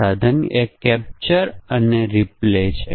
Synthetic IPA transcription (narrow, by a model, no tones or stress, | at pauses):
ad̪ʱəniekɛp̚t͡ʃəɾəneɾiplet͡ʃʰe